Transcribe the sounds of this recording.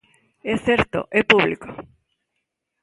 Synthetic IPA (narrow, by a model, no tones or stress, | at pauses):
eθeɾt̪o̰ʔepuβliko̥